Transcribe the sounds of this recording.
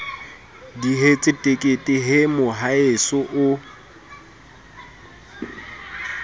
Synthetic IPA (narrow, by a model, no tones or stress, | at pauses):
diɦet͡sʼɪtʼekʼetʼɪɦɪmʊɦaesʊʔʊ